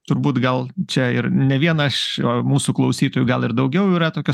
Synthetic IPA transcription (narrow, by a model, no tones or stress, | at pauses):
t̪ʊɾbuːt̪ɡɐlˠt͡ʃʲɛɪɾnʲɛʋʲiɛnɐʃomuːsuklˠɐʊsʲiːt̪oːjuːɡɐlˠɪɾd̪ɐʊɡʲɛʊiːɾɐt̪oːkʲo